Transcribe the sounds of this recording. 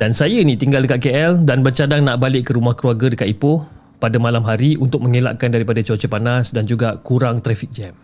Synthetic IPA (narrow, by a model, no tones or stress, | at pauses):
dansajənĩt̪iŋɡaldəkat̪̚keʔɛldanbərt͡ʃadaŋnaʔbalɪʔkːəɾumahkluaɡadəkat̪̚ipʊh | padamãlamɦaɾiunt̪ʊk̚məŋela̰ʔkandaɾipadat͡ʃot͡ʃəpanasdand͡ʒuɡakuɾaŋt̪ɾɛfik̚d͡ʒɛm